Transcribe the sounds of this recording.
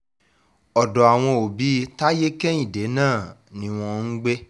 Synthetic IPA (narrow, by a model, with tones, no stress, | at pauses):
ɔ˨dɔ˨a˨w̃ɔ̃˧o˨bi˨˦ta˦je˦kɛ˦i˦˨de˨˦nãː˦˨nĩ˨˦w̃ɔ̃˧n̩˦ɡ͡be˦